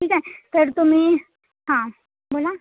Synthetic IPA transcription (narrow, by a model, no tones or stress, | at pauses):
ʈʰiːkɦɛpʰɪɾt̪ʊmẽ | ɦãː | boːla